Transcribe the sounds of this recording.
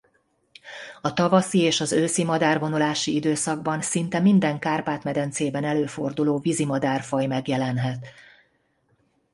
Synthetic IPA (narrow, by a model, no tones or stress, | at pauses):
ɒt̪ɒvɒsieːʃɒzøːsimɒd̪aːrvo̞nulaːʃiid̪øːsɒɡ̚bɒnsint̪ɛmind̪ɛŋkaːrpaːt̪mɛd̪ɛnt̪seːbɛnɛløːfo̞rd̪uloːvizimɒd̪aːrfɒjmɛɡjɛlɛnɦɛt̪